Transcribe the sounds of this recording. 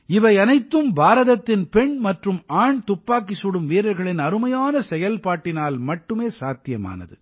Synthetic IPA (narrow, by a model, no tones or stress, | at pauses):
ɪʋɐɪɐnɐɪt̪ːɯmbaːɾɐðɐt̪ːɪnpɛɳmɐʈrɯmaːɳt̪ʊpːaːkːɪsuɽɯmʋiːɾɐɾɣɐɭɪnɐɾɯmɐjaːnɐsɛjɐlpaːʈːɪnaːlmɐʈːɯmeːsaːt̪ɪjɐma̰ːnɐ̰ðɯ̰